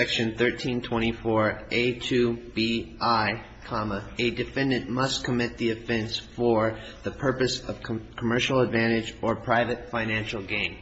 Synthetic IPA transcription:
ɛkʃɨ̃nθɜ˞tʰĩntʰw̥ɛ̃ɾ̃ifɔɹeɪtʰʉb̥iʔaɪ | kʰɑməɨdɨfɛ̃ndɨ̃nʔmʌskʰəmɪt̪̚ðiɨfɛ̃nsfə˞ | ðɨpʰɜ˞pɨsʌv̥kʰkʰəmɜ˞ʃl̩ˠədvæ̃ɾ̃ɪd͡ʒə˞pʰɹ̥aɪvɨtfãɪ̃næ̃nʃl̩ˠɡẽɪ̃n

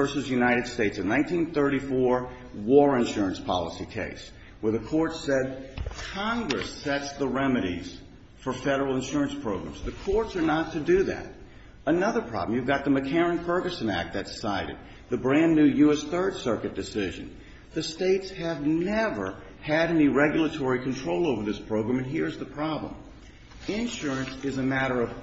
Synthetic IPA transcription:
ɜ˞sɨzjʉnaɪɾɨd̥steɪtsɨ̃nãɪ̃ntʰĩnθɜ˞ɾifɔɹ | wɔɹɨ̃nʃʊɹɨ̃nspʰɑ̰lˠəsikʰḛɪs | wə˞ðɨkʰɔɹtsɛd̚kʰɑ̃ŋɡɹɨ̰sɛtsðəɹɛmɨɾḭz̥ | fə˞fɛɾə˞l̩ˠə̃nʃʊɹɨ̃nspʰɹ̥oʊɡɹæ̰̃mzðɨkʰɔɹtsə˞nətʰɨdɨðæ̰ɾ | ənʌðə˞pʰɹ̥ɑ̰bl̩̃mjʉvɡɑt̪̚ðɨmɨkʰɛɹɨ̃nfɜ˞ɡɨsɨ̃næ̰k̚t̪̚ðɨtsaɪɾɨ̰d̪̚ | ðɨbɹæ̃nːʉjʉɛsθɜ˞d̥sɜ˞kɨt̚d̥ɨsɪʒɨ̰̃n̩ | ðɨsteɪtshɨvnɛvə̰˞ | ɨɾɛniɹɛɡjl̩ˠətʰɔɹikʰɨ̃n̩tʰɹ̥oʊlˠoʊvə˞ðɪspʰɹ̥oʊɡɹæ̃mɨ̃nɦiɹɨzðəpʰɹ̥ɑblə̰̃m | ɪ̃nʃʊɹɨ̃nsɨzɨmæɾə˞ʌv̥

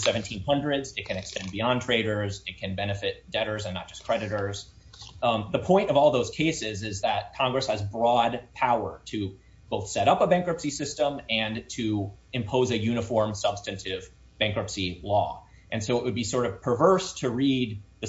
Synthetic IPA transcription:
sɛvɨ̃ntʰĩnhʌ̃ndɹɨdzɨt̚kʰɨ̃nɨkspɛ̃nbiɑ̃ntʰɹ̥eɪɾə˞zɨt̚kʰɨ̃nbɛnɨfɪt̚d̥ɛɾə˞zɨ̃nːət̚d̥ʒ̥ʌskʰɹ̥ɛɾɨɾə˞z̥ | ðəpʰɔ̃ɪ̃ntʌvɔlˠðoʊz̥kʰeɪsɪzɪzðɨt̚kʰɑ̃ŋɡɹɨshɨzbɹɔd̚pʰaʊə˞ɾɨ | b̥oʊθsɛɾʌpəbæ̃ŋkɹɨpsisɪstə̃mɨ̃ntʰɨɨ̃mpʰoʊzɨjʉñɨfɔɹmsʌb̥stɨ̃ntʰɪv | b̥æ̃ŋkɹɨpsilɔ | ʔɨ̃nsoʊɨʔ̚wɨd̚bisɔɹɾʌv̥pʰə˞vɜ˞stʰɨɹid̪̚ðɨ

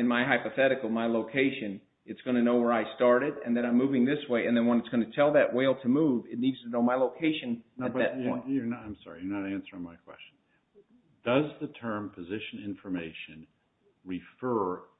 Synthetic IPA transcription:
ɨ̃nmaɪɦaɪpɨθɛɾɨkl̩ˠmaɪloʊkʰeɪʃɨ̃n | ɨtsɡ̥ʌñɨnoʊwə˞aɪstɑɹɾɨɾɨ̰̃nðɨɾãɪ̃muvɪ̃ŋðɪsweɪɨ̃nðɨ̃nwə̃nɨtsɡ̥ʌnɨtʰɛlˠðɨʔwʔeɪlˠtʰɨmuvɨtⁿnidz̥tʰɨnoʊmaɪloʊkʰeɪʃɨ̃nnoɨtbʌðɨt̚ɪ̃əãɪ̃msɑ̰ɹijə˞nəɾæ̃nsə˞ɪ̃ŋmaɪkʰw̥ɛ̰st͡ʃn̩ | d̥ʌzðɨtʰɜ̃˞mpʰɨzɪʃɨ̃nɪ̃ɱfə˞meɪʃɨ̃n | ɹifɜ˞

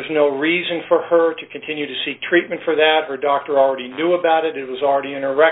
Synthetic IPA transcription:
ʌznoʊɹizɨ̃nfə˞ə˞ɾɨkʰɨ̃n̩tʰɪ̃njʉɾɨsik̚tʰɹ̥it̚mɨ̃ntfə˞ðɨt̚hə˞dɔk̚tə˞l̩ˠɹɛɾinjuəbaʊɾɨɾɨt̚wʌzl̩ˠɹɛɾiɪ̃ñə˞ɛ

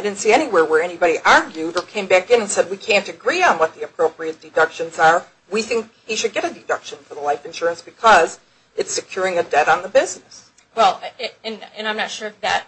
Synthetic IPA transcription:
aɪdɪdⁿn̩tsiɛñiwɛɹwə˞ɛñibɑɾiʔɑɹɡjʉɾə˞kʰẽɪ̃mbækɨ̃nɨ̃nsɛd̚wikʰæ̃ntɨɡɹiə̃nwʌt̪̚ðiɨpʰɹ̥oʊpɹiɨt̚d̥ɨdʌkʃɨ̃nzə˞ | wiθɪ̃ŋk̚ | hiʃɨd̚ɡɛɾɨdɨdʌkʃɨ̃nfə˞ðəlaɪfɨ̃nʃʊɹɨ̃nsb̥ɨkʰʌz | ɨtsɨkʰj̥ʊɹɪ̃ŋɨdɛɾn̩ðəbɪznɨs | wɛlˠɨ̃nɨ̃nãɪ̃mnɨtʃʊɹʌvðɨ̰t̚

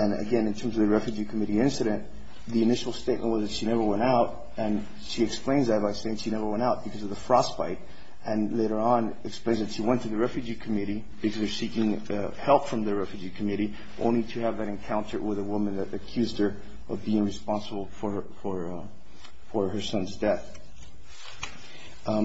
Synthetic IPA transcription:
ɨ̃nɨ̰ɡɛ̃nɨ̃ntʰɜ̃˞mzʌvðɨɹɛfjʉd͡ʒikʰəmɪɾiɪ̃nsɨɾɨ̃n | ðiɨnɪʃl̩ˠsteɪt̚mə̰̃nʔwʌzðɨtʃinɛvə˞wɛ̃ɾ̃aʊɾ | ɨ̃n | ʃiɨksplẽɪ̃nzðɨt̚b̥aɪseɪɪ̃ŋʃinɛvə˞wɛ̃ɾaʊt̚b̥ɨkʰʌzʌvðəfɹɑspaɪɾ | ɨ̃nleɪɾə˞ə̃n | ɨksplẽɪ̃nzðɨtʃiwɛ̃ntʰɨðɨɹɛfjʉd͡ʒikʰɨmɪɾi | b̥ɨkʰʌzðə˞sikɪ̃ŋ | hɛlˠpfɹʌ̃mðɨɹɛfjʉd͡ʒikʰɨmɪɾi | ʔõʊ̃nliɾɨːvðɨɾɨ̃nkʰãʊ̃ntʰə̰˞wɪðəwʊmɨ̃nðɨɾɨkʰj̥ʉzd̚ə˞ | ʔʌvbiɪ̃ŋɹɨspɑ̃nsəbl̩ˠfə˞fə˞ | fə˞ə˞sʌ̃nzdɛθ

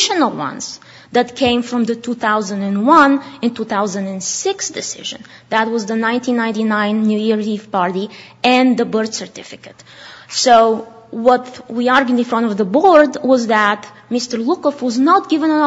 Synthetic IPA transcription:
ʃənəl̩ˠwʌ̰̃nz̥ | ðɨtkʰẽɪ̃ɱfɹʌ̃mðɨtʰuθaʊzə̃ndɨ̃nwʌ̃nɨ̃ntuθaʊzə̃ndɨ̃nsɪksd̥ɨsɪ̰ʒɨ̰̃nðæt̚wʌzðənãɪ̃ntĩnːãɪ̃ntinãɪ̃nːʉjiɹiv̥pɑɹɾiɨ̃nðəbɜɹd̥sə˞tɪfɪkɨtsoʊwʌtwiɑɹɡɨ̃nfɹʌ̃ntɔvðəbɔɹdwʌzðət | mɪstə˞lʊkəfwʌznət̚ɡ̥ɪvə̃nə̃n

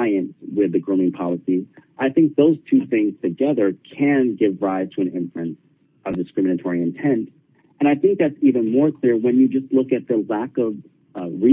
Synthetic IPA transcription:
ɪɨ̃nswɪðɨɡɹõmɪ̃ŋpʰɑlˠəsizʔaɪθɪ̃ŋk̚ðoʊz̥tʰʉθɪ̃ŋz̥tʰɨɡɛðə˞kʰɨ̃nɡɪvɹaɪz̥tʰəɨ̃nɪ̃ɱfɹɨ̃ns | ʔʌvdɨskɹ̥ɪ̃mɨnɨtʰɔɹiɨ̃ntʰɛ̃nt | ɨ̃ɾ̃aɪθɪ̃ŋk̚ðætsivɨ̃nmɔɹkʰl̥ɪɹwɨ̃njɨd͡ʒʌstˡlʊkɨt̪̚ðəlækʌv | ɹi

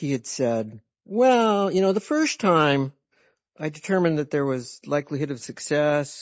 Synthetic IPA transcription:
hiɨd̥sɛd̚ | wɛlˠjɨñoʊðəfɜ˞stʰãɪ̃m | ʔaɪdɨtʰɜ˞mɨ̃nðɨt̪̚ðə˞wʌzlaɪklihɪɾʌv̥sɨksɛs

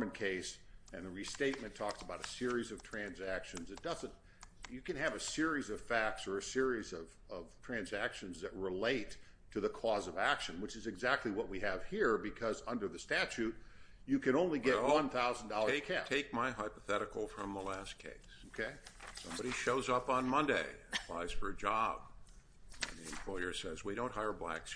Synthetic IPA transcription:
mɨ̃nkʰeɪsɨ̃nðɨɹisteɪt̚mɨ̃ntʰɔksəbaʊɾɨsɪɹizʌv̥tʰɹ̥æ̃nzækʃɨ̃nzɨt̚d̥ʌzɨ̃nt̚ | jɨkɨ̃nɨvɨsɪɹizʌv̥fæk̚tsə˞ɨsɪɹizʌv̥ʌv̥tʰɹ̥æ̃nzækʃɨ̃nzðɨt̚ɹɪleɪtʰ | ɨðəkʰɔzʌvækʃɨ̃nwɨt͡ʃɨzɨɡzæk̚tˡliwʌt̚wiɨv̥hiɹbɨkʰʌzʌ̃ndə˞ðɨstæt͡ʃʉt̚ | jɨkɨ̃ɾ̃õʊ̃nliɡɛʔ̚wʌ̃nθaʊzn̩dɔlˠəkʰætʰeɪk̚maɪɦaɪpə̥θɛɾɨkl̩ˠfɹʌ̃mðəlæskʰḛɪsokʰeɪsʌ̰̃mbɑɾiʃoʊzʌpn̩mʌ̃ndeɪɨpʰl̥a̰ɪz̥fə˞ɨd͡ʒɑb̥̚ | ɨ̰̃nðiɨ̃mpʰl̥ɔɪə˞sɛzwiɾõʊ̃nthaɪə˞blæ̰ks

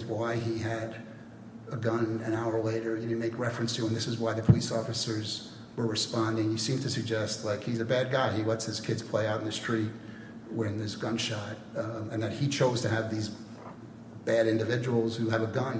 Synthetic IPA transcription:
zwaɪiɨɾ | əɡʌ̃nɨ̃naʊə˞leɪɾə˞jɨdd̚meɪkɹɛfɹɨ̃nstʰɨə̃nðɪsɨzwaɪðɨpʰəlisɔfɨsə˞z | wə˞ɹɨspɑ̃ndɪ̃ŋjɨsĩmtʰɨsɨɡ̚d͡ʒɛst̚ˡlaɪkhizɨbæd̚ɡaɪiwʌtshɨz̥kʰɪdz̥pʰl̥eɪaʊɾn̩ðɨstɹ̥it̚ | wɨ̃nðəzɡʌ̃nʃɑt̚ | ɨ̃nðɨt̚hit͡ʃʰoʊz̥tʰɨɨvðiz | b̥æɾɪ̃ndɨvɪd͡ʒəwl̩ˠz̥hʉɨvəɡʌ̃n

